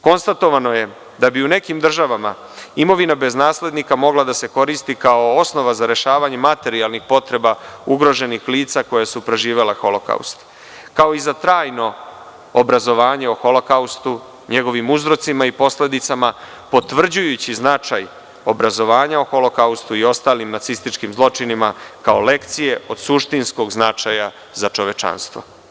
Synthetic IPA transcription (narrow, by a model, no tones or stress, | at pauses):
ko̞nst̪at̪o̞ʋano̞je̞ | d̪abiune̞kimd̪r̩ʒaʋama̰ | imo̞ʋinabe̞znaːsle̞d̪nikamo̞ɡlad̪ase̞ko̞ɾist̪ikao̞osno̞ʋazaɾe̞ʃaːʋaɲe̞mat̪e̞ɾialnixpo̞t̪ɾe̞bauɡɾo̞ʒe̞nixliːt̪sako̞jasupɾe̞ʒiːʋe̞lexo̞lo̞ka̰ṵst̪ | kao̞izat̪ɾaːjno̞ː | bɾazo̞ʋaːɲeoxo̞lo̞kaust̪u | ɲeɡo̞ʋimuzɾo̞t̪simaipo̞sle̞d̪it̪sama | po̞t̪ʋr̩d͡ʑujut͡ɕiznat͡ʃaj | o̞bɾazo̞ʋaːɲaoxo̞lo̞kaust̪uio̞st̪aːlimnat̪sist̪it͡ʃkimzlˠo̞t͡ʃinimakao̞̰le̞kt̪sije̞o̞d̪̥suʃt̪insko̞ɡznat͡ʃaja | zat͡ʃo̞ʋe̞t͡ʃa̰nst̪ʋo̰